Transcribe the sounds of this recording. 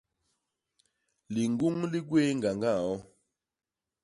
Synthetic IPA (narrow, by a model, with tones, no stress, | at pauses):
li˨ŋɡu˦ŋli˦ɡwe˦ŋɡa˨ŋɡa˦˨ɔ˦